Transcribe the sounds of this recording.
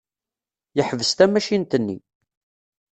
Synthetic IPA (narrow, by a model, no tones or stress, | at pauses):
jəħvəst̪æmæʃint̪ənːḭ